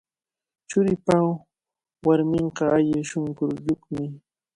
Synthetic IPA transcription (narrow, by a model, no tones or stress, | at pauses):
t͡ʃʊɾɪpaw | waɾmɪɴqɑaʎɪʃʊŋkʊɾʎʊkmɪ